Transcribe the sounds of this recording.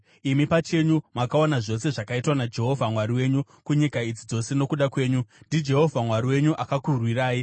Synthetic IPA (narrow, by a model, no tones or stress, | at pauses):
imipat͡ʃe̞ɲumakaonaʐo̞se̞ʐakaitwanad͡ʒe̞ɦo̞vʱamwaɾiwe̞ɲu | kuɲikaid͡zid͡zo̞se̞no̞kuɗakwe̞ːɲundʱid͡ʒe̞ɦo̞vʱamwaɾiwe̞ɲuʔakakurwiraːji